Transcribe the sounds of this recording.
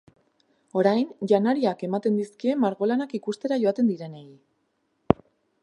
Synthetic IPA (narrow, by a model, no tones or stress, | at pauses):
o̞ɾajnʝanaɾiake̞mat̪e̞nd̪iskie̞maɾɣo̞lanakikust̪e̞ɾaʝo̞at̪e̞nd̪iɾe̞neɣi